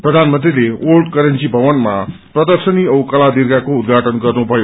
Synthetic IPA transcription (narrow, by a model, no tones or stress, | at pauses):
prʌd̪ʱanmʌnt̪rileolʈkʌɾʌnt͡sibʱʌʋʌnmaprʌd̪ʌrsʌniʌwkʌlad̪irɡakoud̪̚ɡʱaʈʌnɡʌrnubʱʌjo